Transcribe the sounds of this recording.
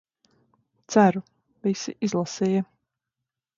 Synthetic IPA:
t̪sæɾu | visiʔizlˠasiːjɐ

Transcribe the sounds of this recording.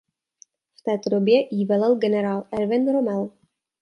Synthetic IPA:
ft̪ɛːt̪odobjɛʔiːvɛlɛlɡɛnɛɾaːlɛɾvɛnɾomɛl

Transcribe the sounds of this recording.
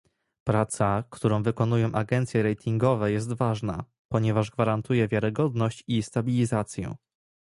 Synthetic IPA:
pɾat̪sakt̪uɾɔ̃w̃vɘkɔnujɔ̃w̃ʔaɡɛnt̪sjɛɾɛjt̪ʰiŋɡɔvɛjɛs̬t̪vaʐna̰ | pɔɲɛvaʐɡvaɾant̪ujɛvʲjaɾɘɡɔd̪nɔɕt͡ɕist̪abʲilʲizat̪sʲjɛ̰

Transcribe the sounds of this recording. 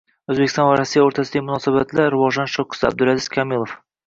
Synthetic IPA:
ɵzbekʲɪst̪ɑnvæɾɒsːijaoɾt̪ʰæsəd̪ɑmʊnɑsæbæt̪læɾʊvɒʒɑnʃoqʊ̥sæ̰b̚d̪ɵɾæzɪzkʲʰɒmilˠof

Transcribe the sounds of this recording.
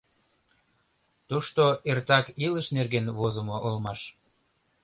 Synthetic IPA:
t̪uʃt̪oert̪ɑkiləʃnerɣenvozəmoʔolmɑʃ

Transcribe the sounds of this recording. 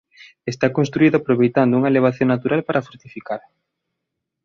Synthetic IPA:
est̪akonst̪ɾuiðʊapɾoβejt̪and̪ouŋaeleβ̞aθjoŋnat̪uɾalpaɾafoɾt̪ifikaɾ

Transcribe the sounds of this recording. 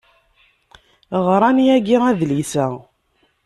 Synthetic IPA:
ʁɾˤɑniæɡiæðlisæ

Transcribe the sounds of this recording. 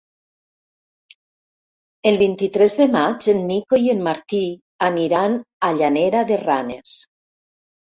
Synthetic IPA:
elˠβint̪it̪ɾezðemat͡ʃenːikojemːaɾt̪i | aniɾanaʎaneɾaðeranḛs

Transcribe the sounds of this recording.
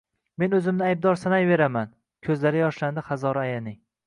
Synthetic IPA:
me̞nɵzɪmnɪajb̚d̪ɒɾsanajve̞ɾaman | kʲʰɵzlaɾɪjɒʃland̪ɪχazɒɾaajanɪ

